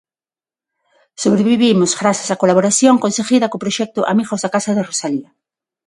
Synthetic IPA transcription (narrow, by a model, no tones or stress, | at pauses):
soβɾeβiβimʊzɣɾasasakolaβoɾasjoŋkonseɣiðɐkʊpɾoʃɛk̚t̪ʊʔa̰miɣozðakasaðɪrosaliɐ